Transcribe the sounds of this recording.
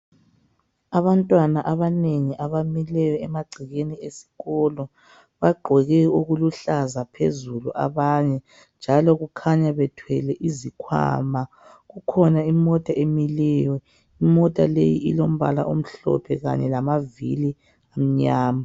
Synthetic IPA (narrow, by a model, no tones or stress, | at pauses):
aβantʼwanaʔaβaneŋiʔaβamilɛjɔɛmaɡ͡ǀʱiɣeniesi̥ɣɔlɔ | βaɡ͡ǃʱɛɣɛuɣuluɬazapʰḛzuluʔa̰βaɲɛ | nd͡ʒʱalɔɣukʰaɲaβɛtʰwɛlɛʔizikʰwa̰ːma | ɣukʰɔnaimɔtʼaemilɛːwɛ | imɔtʼalejiilom̩βa̰la̰ʔom̩ɬɔ̰pʰɛɣa̰ɲɛlamavḭli | am̩ɲaːma